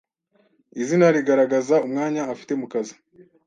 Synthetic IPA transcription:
izinaɾiɡaɾaɡazaumŋaːɲaːfi̥te̞mukazi̥

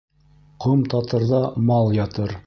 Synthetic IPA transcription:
qomt̪ɑt̪ɤ̆ɾðɑmɑlˠjɑt̪ɤɾ

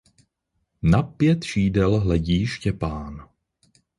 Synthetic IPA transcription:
napjɛt̪ʃiːdɛlɦlɛɟiːʃcɛpaːn

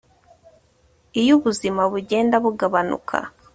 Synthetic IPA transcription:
ijuβuzimaβuɟe̞ːndaβuɡaβanṵkʰa̰

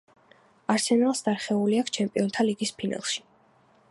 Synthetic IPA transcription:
aɾsɛnalˠsd̪aɾχɛuliakʰt͡ʃʰɛmpʼiɔnt̪ʰaliɡispʰina̰lˠʃi̥

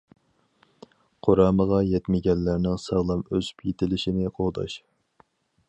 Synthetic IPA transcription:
qʰoɾɑːməʁɑjɛt̪mɪɡʲɛnːæɾnɪŋsɑʁlˠɑmøzy̥pʰjet̪ʰɪlɪʃɪnɪqʰoʁd̪ɑ̰ʃ

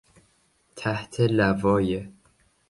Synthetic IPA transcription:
t̪ʰæht̪ʰelævɒːje

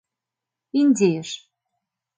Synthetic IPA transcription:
inʲdʲejəʃ

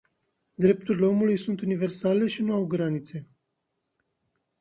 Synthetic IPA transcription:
d̪ɾe̞p̚t̪uɾile̞o̞mulujsunt̪unive̞rsale̞ʃinuawɡɾanit̪se̞

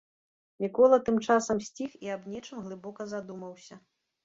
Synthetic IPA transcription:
mʲikɔlˠɐt̪ɨmt͡ʂasɐmsʲt͡sʲixiabnʲɛt͡ʂɨmɣlˠɨbɔkɐzad̪umɐwsʲɐ

